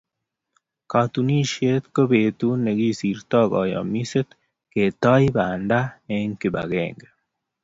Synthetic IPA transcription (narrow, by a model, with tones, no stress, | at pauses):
ka˨t̪uni˦ʃie˦t̪ko˦beːt̪une˨ɡi˦si˨ɾt̪ɔ˦ɡɔ̰˨jɔ̰miset̪ | ke˨t̪a˦jibaːnda˦eŋki˨ba̰˨ɡḛːŋɡe